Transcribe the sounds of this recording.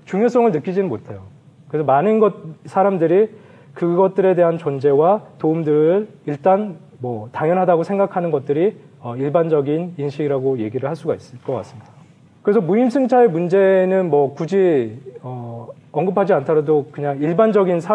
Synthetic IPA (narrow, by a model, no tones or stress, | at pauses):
t͡ɕuŋjos͈ʌŋɯɭnɯk͈id͡ʑinɯnmotʰe̞jo | kɯɾesʰʌmanɯnɡʌt̚sʰaɾamdɯɾi | kɯɡʌt̚t͈ɯɾe̞de̞ɦant͡ɕond͡ʑe̞watoumdɯɾiɭt͈an | mwʌtaŋjʌnɦadaɡosʰe̞ŋɡakʰanɯnɡʌt̚t͈ɯɾi | ʌiɭband͡ʑʌɡininɕʰiɡiɾaɡoje̞ɡiɾɯɭhaɭs͈uɡais͈ɯɭk͈ʌk͈a̰s͈ɯmɲida | kɯɾe̞sʰʌmuimsʰɯŋt͡ɕʰae̞mund͡ʑe̞nɯnmwʌkud͡ʑiʌʌŋɡɯpʰad͡ʑiantʰaɾadokɯɲaŋiɭband͡ʑʌɡinsʰa